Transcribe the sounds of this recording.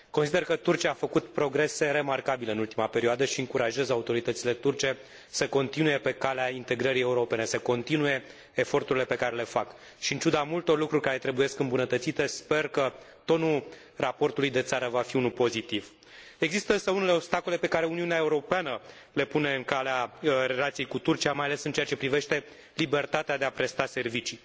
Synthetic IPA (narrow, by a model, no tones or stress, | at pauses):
ko̞nsid̪e̞rkət̪urt͡ʃiaːfəkut̪pɾo̞ɡɾe̞se̞ɾe̞markabile̞ɨnult̪imape̞ɾioad̪əʃiɨŋkuɾaʒezaut̪o̞ɾit̪ət̪sile̞t̪urt͡ʃe̞ | səko̞nt̪inuje̞pe̞kaleaint̪e̞ɡɾəɾije̞uɾo̞pe̞ne̞səko̞nt̪inuje̞ː | fo̞rt̪uɾile̞pe̞kaɾe̞le̞fak | ʃiɨnt͡ʃud̪amult̪o̞rlukɾurʲkaɾe̞t̪ɾe̞bujeskɨmbunət̪ət̪sit̪e̞spe̞rkə | t̪o̞nul | rapo̞rt̪ulujd̪e̞t̪saɾəvafiunulpo̞zit̪iv | e̞ɡzist̪əɨnsəunele̞o̞bst̪ako̞le̞pe̞kaɾe̞uniuneae̞uɾo̞peanə | le̞pune̞ɨŋkaleaɾe̞lat̪sijejkut̪urt͡ʃiamajale̞sɨnt͡ʃeat͡ʃe̞pɾive̞ʃt̪e̞ | libe̞rt̪at̪ead̪e̞apɾe̞st̪ase̞rvit͡ʃi